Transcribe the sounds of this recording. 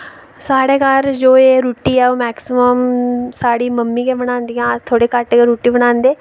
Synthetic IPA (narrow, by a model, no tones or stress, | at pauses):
saːɽeːkəɾd͡ʒoːeːɾuːʈiːɛːoːmɛːksɪməmsaːɽiːməmːiːkebəɽ̃ãːnd̪ijãːt̪ʰoːɽeːkəʈːkeɾuːʈiːbəɽ̃ãːnd̪eː